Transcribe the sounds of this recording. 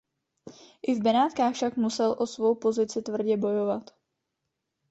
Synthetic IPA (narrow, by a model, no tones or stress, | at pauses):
ʔɪvbɛnaːt̪kaːxfʃakmusɛlʔo̞svo̞wpo̞zɪt͡sɪt̪vr̩ɟɛbo̞jo̞vat̪